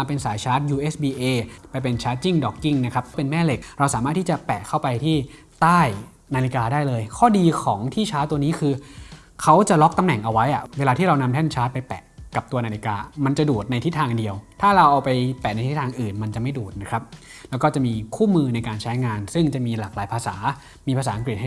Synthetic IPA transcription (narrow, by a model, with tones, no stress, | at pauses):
a˧pe˧nsaː˩˦jt͡ɕʰaː˦˥t̪̚juː˧ʔeː˦˥sbiː˧ʔeː˧˩pa˧jpe˧nt͡ɕʰaː˦˥t̪̚t͡ɕi˥˩ŋdɔː˨˩kːi˥˩ŋna˦˥kʰɾa˦˥p̚pe˧nmɛː˥˩le˨˩k̚ɾa˧wsaː˩˦maː˥˩t̪ʰːi˥˩t͡ɕa˨˩pɛ̰˨˩kʰːa˥˩wpa˧jt̪ʰiː˥˩ | t̪aː˥˩j | naː˧li˧kaː˧daː˥˩jlɤː˧jkʰɔː˥˩diː˧kʰɔː˩˦ŋt̪ʰiː˥˩t͡ɕʰaː˦˥t̪u˧əniː˦˥kʰɯː˧ | kʰa˦˥wt͡ɕa˨˩ʔlɔ˦˥k̚t̪a˧mnɛ˨˩ŋʔa˧wa˦˥jʔa˨˩weː˧laː˧t̪ʰiː˥˩ɾa˧wna˧mt̪ʰɛː˥˩nt͡ɕʰaː˦˥t̪̚pa˧jpɛ̰˨˩ʔka˨˩p̚t̪u˧ɐna˧li˧kaː˧ma˧nt͡ɕa˨˩duː˨˩t̪̚na˧jt̪ʰi˦˥t̪ʰːaː˧ŋdi˧əwt̪ʰaː˥˩ɾa˧wʔa˧wpa˧jpɛ˨˩ʔna˧jt̪ʰi˦˥t̪ʰaː˧ŋʔɯː˨˩nma˧nt͡ɕa˨˩ma˥˩jduː˨˩t̪̚na˦˥kʰɾa˦˥p̚ | lɛː˦˥wkɔː˥˩t͡ɕa˨˩ʔmiː˧kʰuː˥˩mɯː˧na˧jkaː˧nt͡ɕʰa˦˥jŋaː˧nsɯ˥˩ŋt͡ɕa˨˩ʔmiː˧laː˨˩k̚laː˩˦jpʰaː˧sa̰ː˩˦ | miː˧pʰa˧saː˩˦ʔa˧ŋk̬ɾi˨˩t̚h